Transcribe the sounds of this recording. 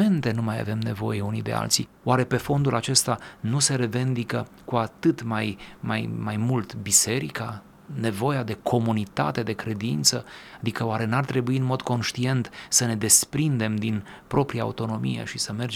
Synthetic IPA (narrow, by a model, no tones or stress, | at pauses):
e̞nt̪e̞numaja̰ve̞mne̞vo̞̰je̞unid̪e̞̰a̰lt̪si | oaɾe̞pe̞fo̞nd̪ulʔat͡ʃe̞st̪anuse̞ɾe̞ve̞nd̪ikə | kuat̪ɨt̪majmajmajmult̪bise̞ɾika | ne̞vo̞jad̪e̞kʰo̞munit̪a̰t̪e̞d̪e̞kɾe̞d̪int̪səad̪ikəoaɾenart̪ɾe̞buiɨnmo̞d̪ko̞nʃt̪ie̞nt̪səne̞d̪e̞spɾind̪e̞md̪in | pɾo̞pɾijaːut̪o̞no̞mijḛʃisəme̞rd͡ʒ